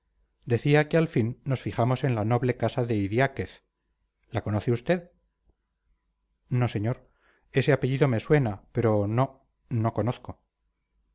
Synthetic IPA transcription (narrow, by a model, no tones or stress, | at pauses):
d̪e̞θiakealfinːo̞sfiχamo̞se̞nlano̞βle̞kasaðe̞iðjake̞θ | lako̞no̞θeust̪e̞ð | no̞se̞ɲo̞ɾ | e̞se̞ape̞ʝiðo̞me̞swe̞nape̞ɾo̞no̞ | no̞ko̞noθko̞